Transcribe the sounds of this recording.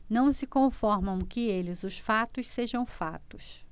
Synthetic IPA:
nɐ̃w̃sɪkõfɔɾmɐ̃w̃kɪelɪzʊsfat̪ʊsseʒɐ̃w̃fa̰t̪ʊs

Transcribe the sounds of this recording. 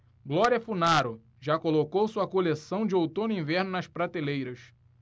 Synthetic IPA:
ɡlɔɾiɐfunaɾʊ | ʒakolokowsuɐkolesɐ̃w̃d͡ʒɪowt̪õnʊĩvɛɾnʊnɐʃpɾat̪elejɾɐs

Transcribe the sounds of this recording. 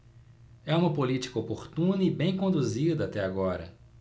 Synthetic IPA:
ɛũmɐpolit͡ʃi̥kɐopoɾt̪ũnɐibẽj̃kõnd̪uzid̪ɐat̪ɛaɡɔɾɐ̰

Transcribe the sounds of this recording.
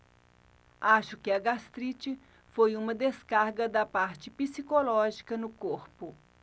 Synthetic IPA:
aʃʊkɪɐɡast̪ɾit͡ʃɪ | fojũmɐd̪eskaɾɡɐd̪ɐpaɾt͡ʃɪpisikolɔʒikɐnʊkoɾpʊ

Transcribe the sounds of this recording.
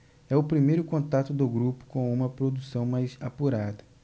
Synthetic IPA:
ɛʊpɾimejɾʊkõt̪at̪ʊd̪ʊɡɾupʊ̥kõũmɐpɾod̪usɐ̃w̃majzapuɾad̪ɐ

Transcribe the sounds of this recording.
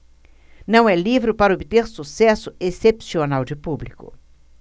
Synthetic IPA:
nɐ̃w̃ɛlivɾɪpaɾɐobit̪eɾsusɛsʊesepsionawd͡ʒɪpublikʊ̰

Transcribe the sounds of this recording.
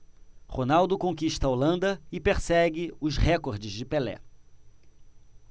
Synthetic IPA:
honawd̪ʊkõkiʃt̪ɐolɐ̃nd̪ɐɪpeɾsɛɡɪʊzhɛkoɾd͡ʒɪzd͡ʒɪpelɛ̰

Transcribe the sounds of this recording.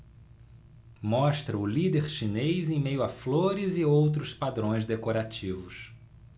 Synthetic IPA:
mɔʃt̪ɾɐʊlid̪eɾʃinejzẽj̃mejʊafloɾɪzɪowt̪̬ɾʊspad̪ɾõj̃zd̪ekoɾat͡ʃivʊs

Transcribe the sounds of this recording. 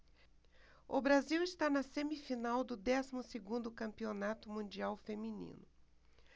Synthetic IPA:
ʊbɾaziwɪst̪anɐsẽmifinawd̪ʊd̪ɛsimʊseɡũnd̪ʊkɐ̃mpionat̪ʊmũd͡ʒiawfeminḭ̃nʊ

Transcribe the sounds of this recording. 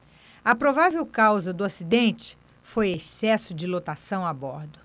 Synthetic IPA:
ɐpɾovavewkawzɐd̪ʊasid̪ẽnt͡ʃɪ̥ | fojesɛsʊd͡ʒɪlot̪asɐ̃w̃abɔɾd̪ʊ

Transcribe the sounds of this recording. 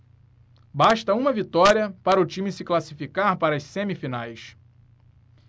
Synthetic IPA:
baʃt̪ɐũmɐvit̪ɔɾiɐpaɾɐʊt͡ʃĩmɪsɪklasifikaɾpaɾɐsẽmifinajs

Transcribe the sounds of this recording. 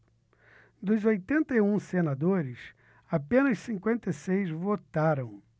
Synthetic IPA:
d̪ʊzojt̪ẽnt̪ɐiũsenad̪oɾɪs | apẽnɐssĩŋkwẽnt̪esejzvot̪aɾɐ̃w̃

